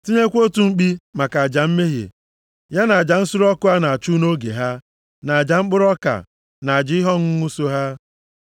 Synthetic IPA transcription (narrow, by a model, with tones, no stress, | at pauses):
ti˦ɲe˦kʷo˦tu˨ŋ͡m̩˦k͡pi˦ma˨ka˨a˨d͡ʒa˨m̩˦me˦ɦḛ˨ | ja˦na˨a˨d͡ʒa˨n̩˦sʊ˦ɾɔ˦kʊ˦a˦na˨a˨t͡ʃu˦no˦ɡḛ˨ɦa˦ | na˨a˨d͡ʒa˨ŋ͡m̩˦k͡pʊ˦ɾɔ˦ka̰˨ | na˨a˨d͡ʒɪ˦ɪ˦ɦɔ˦ŋ̩˦ŋu˦so˦ɦa˦